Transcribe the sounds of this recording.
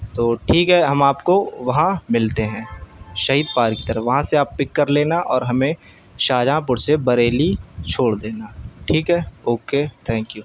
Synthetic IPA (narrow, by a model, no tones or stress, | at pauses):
t̪oːʈʰiːkɦɛɦɐmaːpkoʋɐɦãmɪlt̪eɦɛ̃ːʃɐɦiːd̪paːɾki̥t̪ɐɾəfʋɐɦãseaːppɪkːəɾleːnaʔɔːɾɦɐmẽ | ʃaːd͡ʒãːp̬ʊɽsebɐɾeːlit͡ʃʰoːɽd̪eːnaʈʰiːkɦɛoːket̪ʰɛ̃ːŋkjuː